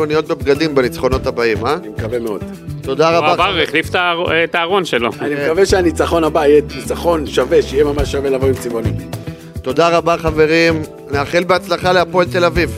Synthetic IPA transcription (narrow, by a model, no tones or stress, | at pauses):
onijo̞t̪̚be̞b̚ɡad̪imbenit͡sχo̞no̞t̪abaimanimekavemeo̞d̪ | t̪o̞d̪aʁaabaeχliftat̪aːʁonʃeloanimekaveʃeanit͡saχo̞nabajɛt̪nit͡saχo̞nʃaveʃejemamaʃːavelavoimt͡simonim | t̪o̞d̪aʁabaχave̞ʁim | neaχilbeat͡slaχaleapoelt̪e̞laviv